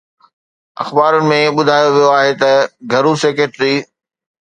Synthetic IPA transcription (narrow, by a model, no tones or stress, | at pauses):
ɐ̰xbaːɾənɪ̆mẽɓʊd̪ʱaːjoʋijoaːɦet̪ɐɡʱɐɾuseːkeːʈɾiː